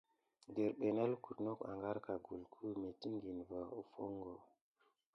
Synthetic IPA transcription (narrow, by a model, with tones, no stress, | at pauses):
de˨ɾɓe˨ne˦lku˨tno˦ka̰˨ŋɡa˦ɾka˨ɡu˨lkʰu˦me˨ti˦ŋɡi˨nva˨u˨fo˦ŋɡo˨